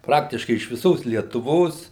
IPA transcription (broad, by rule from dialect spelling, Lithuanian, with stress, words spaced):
ˈprɑːktʲɪʃkɐɪ ɪʃ ʋʲɪˈsoːs lʲiɛtʊˈʋoːs